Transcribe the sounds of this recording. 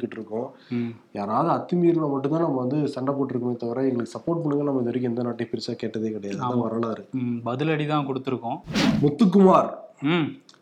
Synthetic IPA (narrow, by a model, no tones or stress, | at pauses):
kːɪʈːɾɯkːʊ̃jaːɾaːʋɐðɯɐt̪ːɪmiːɾlamɐʈːnt̪ãːnɐmːɐʋɐnd̪ɯsɐɳɖɐp̬oːʈːɪɾɯkːɐmeːt̪ɐʋɪɾɐɛŋɡɐɭɯkːɯ̥sɐpːoːɾʈ̚pɐɳːɯŋɡɐɭnɐmːɐɪnd̪ɔɾɪk̬ːɪɛnd̪ɐnaːʈːɪjpɪɾɪsaːkeːʈːɐðeːkɪɽɐjaːðãːʋɐɾɐlaːɪɾɯbɐðɪlɐɽit̪ãːkɔɽɯt̪ːɯɾɯkːõːmʊt̪ːɯk̬ːɯmaːɾ